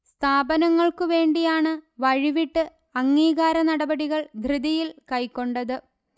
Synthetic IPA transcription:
st̪ʰaːbɐnɐŋːɐɭkɨʋe̞ːɳɖijaːɳɨʋɐɻiʋiʈːɨ | ɐŋːiːɣaːɾɐnɐɽɐbɐɽiɣɐɭd̪ʱrɨðijilkɐjkːo̞ɳɖɐðɨ

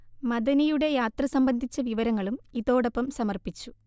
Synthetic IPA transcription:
mɐd̪ɐnijuɽe̞jaːt̪rɐsɐmbɐnd̪ʱit͡ɕːɐʋiʋɐɾɐŋːɐɭumiðo̞ːɽɐpːɐmsɐmɐrpit͡ɕːu

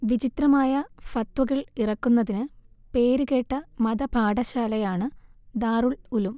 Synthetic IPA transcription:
ʋid͡ʑit̪rɐmaːjɐfɐt̪ʋɐɣɐɭirɐkːunːɐðinɨpe̞ːɾuɣe̞ːʈːɐmɐd̪ɐbʱaːɖɐɕaːlɐjaːɳɨd̪aːruɭulum

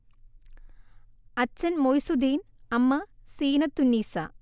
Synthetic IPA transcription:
ɐt͡ɕːɐnmojsud̪iːnɐmːɐsiːnɐt̪ːunːiːsɐ̰

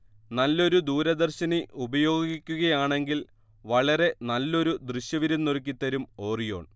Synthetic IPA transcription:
nɐlːo̞ɾud̪uːɾɐd̪ɐrɕɐniʔubɐjo̞ːɡɡikʲːuɣɐjaːɳe̞ŋɡil | ʋɐɭɐɾe̞nɐlːo̞ɾud̪riɕjɐʋiɾɐnːork̬ʲːit̪ːɐɾumo̞ːrijo̞ːɳ

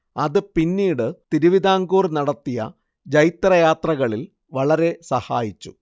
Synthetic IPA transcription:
ɐðɨpinːiːɽɨt̪iɾuʋid̪aːŋɡuːrnɐɽɐt̪ːijɐ̰ | d͡ʑɐjt̪rɐjaːt̪rɐɣɐɭil | ʋɐɭɐɾe̞sɐhaːjit͡ɕːṵ

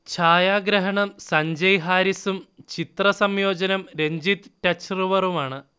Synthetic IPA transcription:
t͡ɕʰaːjaːɡɾɐɦɐɳɐmsɐɲd͡ʑɐjɦaːɾisumt͡ɕit̪rɐsɐmjo̞ːd͡ʑɐnɐmɾeɲd͡ʑit̪ɨtɐt͡ɕrɨʋɐrumaːɳɨ

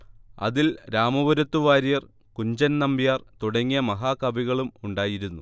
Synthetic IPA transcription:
ɐ̰ðilɾaːmɐʋɐɾɐt̪ːuʋaːɾijɐr | kuɲd͡ʑɐnnɐmbijaːrt̪uɽɐŋːijɐmɐɦaːkɐbiɣɐɭumuɳɖaːjiɾunːu

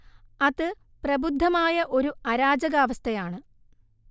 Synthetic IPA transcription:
ɐðɨ | prɐbud̪ʱːɐmaːjɐʔo̞ɾuɐɾaːd͡ʑɐɣaːʋɐst̪ʰɐjaːɳɨ

